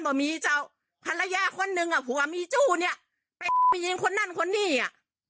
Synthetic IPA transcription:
nbɔː˨˩miː˧t͡ɕa˧˩w | pʰa˧nla˧jaː˧˥kʰo˧˥˨nːɯ˧ŋʔa˨˧˩pʰuː˨˦waː˧˩miː˧˥t͡ɕuː˧˩ni˧˩ɐ | pa˧jmi˧˨˧i˧˦ŋkʰo˧˨nːa˧˥˨nkʰo˧˨nːiː˧˥˩ʔa˨˩

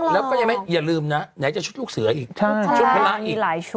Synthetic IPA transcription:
lɛː˦˥kkɔː˥˩ja˧˩˦ma˦˥jjaː˨˩lɯː˧mna˦˥ɲa˩˦t͡ɕa˨˩t͡ɕʰu˦˥t̪̚luː˥˩k̚sɯ˨˩˦ɐʔiː˨˩k̚t͡ɕʰa˥˩t͡ɕʰu˦˥t̪̚ʰa˦jlaː˦˥ʔiː˨˧laː˩˦jʰ

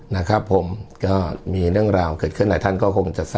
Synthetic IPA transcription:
na˦˥˩kʰɾa˦˥pʰːo˨˩˦mkɔː˥˩miː˧ɾɯ˥˩əŋɾaː˧wkɤː˨˩t̚kʰɯ˥˩nda˨˩˦t̪ʰa˥˩nkɔː˥˩kʰo˧ŋt͡ɕa˨˩sa˥˩

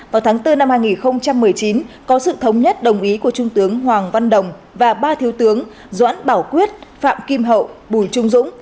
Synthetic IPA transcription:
vaː˨˩wt̪ʰːŋt̪ɨ˧na˧mhaː˧jŋi˨˩nxə˧wŋ͡mt͡ɕa˧mːɨ˨˩əjt͡ɕi˨˦nkɔ˨˦sɨ̰˧˨t̪ʰə˨˦wŋ͡mɲə˦˥t̚ɗə˨˩wŋ͡mʔi˨˦ku˧˩ət͡ɕʊ˧ŋ͡mt̪ɨ˨˦əŋɦwaː˨˩ŋva˧nɗə˨˩wŋ͡m | vaː˨˩ɓaː˧t̪ʰi˨˦əwt̪ɨ˨˦əŋ | za̰ː˧˥nɓaː˧˩wkwi˦˥ət̚fa̰ː˧˨mki˧mɦə̰˧˨wɓu˧˩jt͡ɕʊ˧ŋ͡mzʊ̰˧˥ŋ͡m

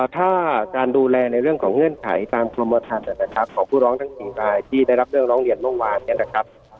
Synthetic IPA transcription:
t̪ʰaː˥˩kaː˧nduː˧lɛː˧na˧jɾɯ˥˩əŋkʰɔː˩˦ŋɤ˧˥˩nkʰa̰˩˦jt̪aː˧mkʰlo˧mːɔː˧t̪ʰa˧nʔa˨˧˩na˦˧˩kʰa˦˥p̚kʰɔː˩˦ŋpʰuː˥˩ɾɔː˦˥ŋt̪ʰa˦˥ŋsiː˨˩ɾaː˧jt̪ʰiː˥˩da˥˩jɾa˦˥p̚ɾɯ˥˩ŋɾɔː˦˥ŋɾi˧˩ənmɔ˥˩waː˧ni˥˩na˦˧˩kʰa˦˥p̚

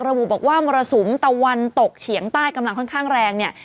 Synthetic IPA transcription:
k̚ɾa˧bu˨˩bɔː˨˩k̚waː˥˩mɔː˧ɾa˧su˩˦mt̪a˧˩wa˧nt̪o˨˩k̚t͡ɕʰi˩˦əŋt̪aː˥˩jka˧mla˧ŋkʰɔ˥˩nkʰaː˥˩ŋɾɛː˧ŋni˥˩

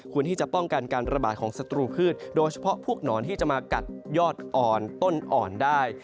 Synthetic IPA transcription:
kʰu˧nt̪ʰiː˥˩t͡ɕa˨˩pɔ˥˩ŋka˧nkaː˧nɾa˧ba̰ː˨˩t̪̚kʰɔː˩˦ŋsa˧t̪ɾuː˧pʰɯː˥˩t̪̚doː˧jt͡ɕʰḁ˧pʰɔ˦˥ʔpʰu˥˩ək̚nɔː˩˦nt̪ʰiː˥˩t͡ɕa˨˩ʔmaː˧ka˨˩t̪̚jɔː˥˩t̪̚ʔɔː˨˩nt̪o˥˩nʔɔː˨˩ndaː˥˩j

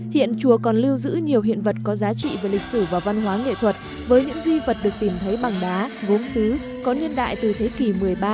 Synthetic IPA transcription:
hḭ˧˨ənt͡ɕu˨˩əkɔ˨˩nli˧əwzɨ̰˧˥ɲi˨˩əwɦḭ˧˨ənvə˨˩t̚kɔ˨˦zaː˨˦t͡ɕḭ˧˨ve˨˩lï˨˩k̟̚sɨ˧˩vaː˨˩wva˧nɦwaː˨˦ŋḛ˧˨t̪ʰwə˨˩t̚ | vəː˨˦jɲɨ̰˧˥ŋzi˧və˨˩t̚ɗɨ˨˩ək̚t̪i˨˩mt̪ʰə˨˦jɓa˨˩ŋɗaː˨˦ɣo˨˦msɨ˨˦ | kɔ˨˦nɨ˧ənɗa̰ː˧˨jt̪ɨ˨˩t̪ʰe˨˦ki˨˧˩mɨ˨˩əjɓaː˧

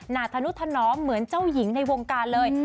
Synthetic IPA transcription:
naː˨˩t̪ʰa˧nu˦˥t̪ʰa˧nɔː˦˥mːɯ˩˦ənt͡ɕaː˥˩wji˩˦ŋna˧jwo˧ŋkaː˧nlɤː˧j

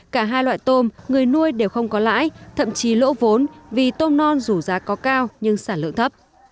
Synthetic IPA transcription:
kaː˧˩ɦaː˧jlwa̰ː˧˨jt̪o˧mŋɨ˨˩əjnu˧əjɗe˨˩wxə˧wŋ͡mkɔ˨˦la̰ː˧˥jt̪ʰə̰˧˨mt͡ɕi˨˦lo̰˧˥vo˨˦nvi˨˩t̪o˧mnɔ˧nzu˧˩zaː˨˦kɔ˨˦kaː˧wɲɨ˧ŋsaː˧˩nlɨ̰˧˨əŋt̪ʰə˦˥p̚

